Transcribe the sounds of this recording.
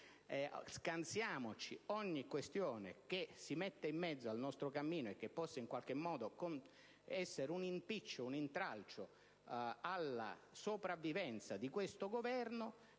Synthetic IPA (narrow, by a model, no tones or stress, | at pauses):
ɛskant̪sjaːmot͡ʃiɔɲːikwest̪joːnḛk̟esimɛt̪ːeimːɛd̪zːoalnɔst̪ɾokamːiːnoekːepːɔsːaiŋkwalk̟emːɔːd̪okon | ɛsːeɾunimpit͡ʃːounint̪ɾalt͡ʃo | alːa̰sopɾavːivɛnt̪sad̪ikwest̪oɡovɛrno